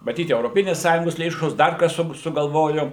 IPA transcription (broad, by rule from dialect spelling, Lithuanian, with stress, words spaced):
mɐˈtʲiːt ɛʊroːˈpʲɪnʲeːs ˈsɑːjʊŋɡoːs lʲeːʃoːs ˈdɐr ˈkɐs sʊ sʊɡɐlˠˈʋoːjʊ